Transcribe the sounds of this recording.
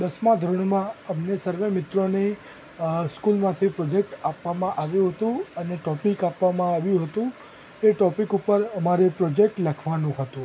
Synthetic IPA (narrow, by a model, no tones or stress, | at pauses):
d̪əsmãd̪ʱɾəɳ̃mãəmnesəɾʋemɪt̪ɾone | skulmãt̪ʰipɾɔd͡ʒek̚ʈapʋamãʔaʋjũɦət̪ũəneʈɔpikapʋamãaʋjũɦət̪ũ | eʈɔpikupəɾəmaɾepɾɔd͡ʒek̚ʈlakʰʋanũɦət̪ũ